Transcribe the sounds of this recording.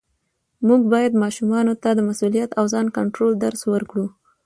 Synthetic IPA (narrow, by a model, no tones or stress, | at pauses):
muɡ̚bɑjad̪mɑʃumɑnot̪ad̪əmasulijat̪awzɑnkaɳʈɾold̪aɾswəɾkɽu